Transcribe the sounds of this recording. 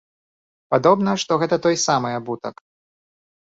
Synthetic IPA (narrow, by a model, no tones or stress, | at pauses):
pad̪ɔbn̪ɐʂt̪ɔɣɛt̪ɐt̪ɔjsamɨjɐbut̪ɐk